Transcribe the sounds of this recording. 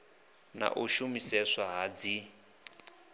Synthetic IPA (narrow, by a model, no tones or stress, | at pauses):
na̰ʔuʃumisɛswaɦad͡zi